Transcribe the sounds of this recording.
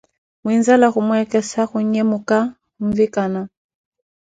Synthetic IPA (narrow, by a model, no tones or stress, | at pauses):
mwinzalaɣumwɛkɛsaxuɲɛmuka | uɱ̩vikana